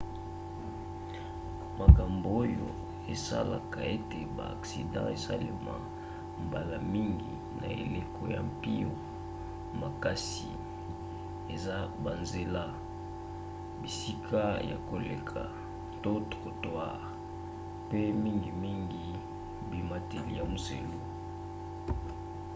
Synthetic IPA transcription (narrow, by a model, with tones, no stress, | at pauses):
ma˨ka˨mbo˨o˦jo̰˨ | e˨sa̰˦la˨ka˨e˦te˨ba̰ː˨ksi˨dɑ̰̃˦e˨sa˦le˨ma̰˨ | mba˨la˨mi˦ŋɡi˨ | na˨ḛ˨le˦ko˦ja̰˨mpi˦o˨ | ma˨ka˦si˨ | e˨za˦ba˨nze˨la˦ | bi˨si˦kʰa˦ja̰˨ko˨lḛ˨kʰa˨ | to˦tko˨twa˦ | pe˦mi˦ŋɡi˨mi˦ŋɡi˦ | bi˨ma˦te˨li˦ja˨mo˨sḛ˨lo˦